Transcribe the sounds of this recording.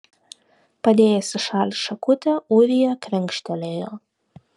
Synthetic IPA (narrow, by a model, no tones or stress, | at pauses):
pɐd̪ʲeːjɛsʲɪʃɑːlʲɪsʃɐkʊt̪ʲɛuʋʲijɛkɾʲɪŋkʃʲt̪ʲɛlʲeːjoː